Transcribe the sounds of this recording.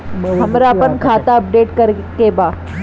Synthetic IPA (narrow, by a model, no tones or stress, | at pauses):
ɦəmɾapəɳkʰat̪aəp̚ɖeːʈkəɾ | keba